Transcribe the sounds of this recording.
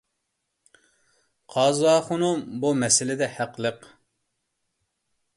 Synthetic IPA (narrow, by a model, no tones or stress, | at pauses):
qʰɑːzwɑːχʊnumbumɛsɪlɪd̪ɛhæqlˠəq